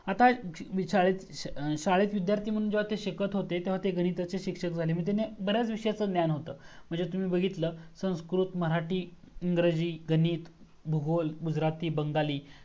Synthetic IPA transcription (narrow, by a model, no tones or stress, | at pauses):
at̪aiɕaɭet͡s | ɕaɭet͡sʋid̪jaɾt̪iːm̤əɽuːnd͡ʑeʋ̤at̪eɕəkət̪ɦot̪et̪eʋ̤at̪eɡʱəñit̪at͡seɕikʂəkd͡zʱalemə̃ɳt̪̬enebəɾjat͡sʋiʂəjat͡səːnjanɦot̪ə̰ːm̤əɳd͡zet̪um̤iːbəɡʱit̪ləːsə̃w̃skɾuːt̪məɾaʈiː | iŋɡɾəd͡ʑiːɡʱəniːt̪ | bʱuɡolɡud͡zɾat̪iːbəŋɡaliː